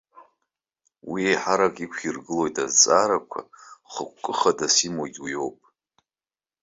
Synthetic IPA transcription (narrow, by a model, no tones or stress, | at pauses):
wiejħaɾakʼikʷʰirɡɨlo̞jtʰʼazt͡sʼaɾakʷʰa̰χək̚ʷʰʼkʼːɨχadasimoɡʲwjo̞wpʼ